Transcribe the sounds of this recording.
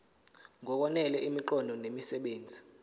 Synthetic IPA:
ŋɔk̬ɔnɛlɛʔimiǃɔndʱɔnemisɛɓeːnd͡zʱi

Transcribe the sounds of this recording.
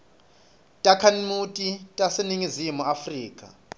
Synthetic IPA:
tʼakʰanimutʼitʼaseniŋizimuafriːkʼa̰

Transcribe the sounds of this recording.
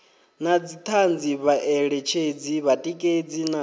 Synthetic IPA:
nad͡zit̪ʰand͡ziβaʔɛɺɛt͡ʃʰed͡ziβatʼikʼed͡zina

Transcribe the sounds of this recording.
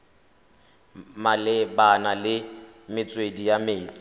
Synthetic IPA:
malɪbanalɪmɪt͡sʼwedijameːt͡sʼɪ̥

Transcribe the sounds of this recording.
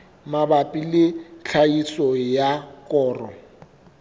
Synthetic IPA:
mabapʼilɪɬʰaisɔjakʼɔːrɔ

